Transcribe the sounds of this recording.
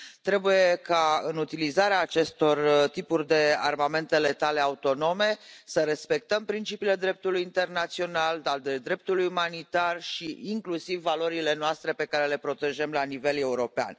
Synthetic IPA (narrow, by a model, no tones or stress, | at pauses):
t̪ɾe̞buje̞kaɨnut̪ilizaɾeaːt͡ʃe̞st̪o̞rt̪ipurʲd̪e̞a̰rmame̞nt̪e̞le̞t̪ale̞aut̪o̞no̞me̞səɾe̞spe̞k̚t̪əmpɾint͡ʃipiːle̞d̪ɾe̞p̚t̪ulujint̪e̞rnat̪sio̞nald̪ad̪ed̪ɾe̞p̚t̪ulujumanit̪arʃiiŋklusivːalo̞ɾile̞noast̪ɾe̞pe̞kaɾe̞le̞pɾo̞t̪e̞ʒemlanive̞le̞uɾo̞pea̰n